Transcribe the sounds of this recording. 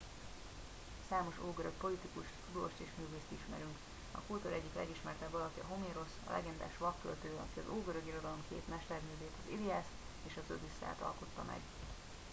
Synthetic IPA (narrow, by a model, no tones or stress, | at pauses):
saːmo̞ʃoːɡøɾøk̚po̞lit̪ikuʃt̪ud̪o̰ʃt̪eːʃmyːveːst̪iʃmɛ̰ɾyŋk | ɒ̰kult̪o̞ɾɛɟːiklɛ̰ɡiʃmɛrt̪ɛbːɒlɒkiɒ̰ɦo̞meːɾo̞sɒ̰lʔɛ̰ɡɛnd̪a̰ːʃʋɒkːø̰lt̪øːɒ̰kiɒzoːɡø̞ɾøɡiɾo̞d̪ɒlo̞mkḛːt̪mɛʃt̪ɛrmyːveːt̪ɒziliast̪ | eːʃɒzøbisːa̰ːt̪ɒ̰lko̞t̪ːɒmɛ̰ɡ